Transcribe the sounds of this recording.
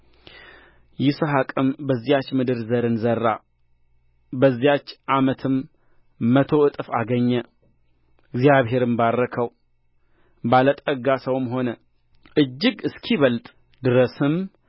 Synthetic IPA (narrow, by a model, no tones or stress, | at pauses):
jɪsoɦakʼɨmbəzːijat͡ʃːmɨd̪ɨɾzəɾɨnzərːa̰ | bəzːijat͡ʃːʔamət̪ʰɨmː | ət̪ʰo̞ɨt̪ʼfa̰ɡəɲːə | ɨɡzijaβɦe̞ɾɨmbarːəkʰəw | balət̪ʼəɡasəwɨmɦo̞nə | ʔɨd͡ʒːɪɡɨskʰiβəlt̪ʼ | d̪ɨɾəsɨm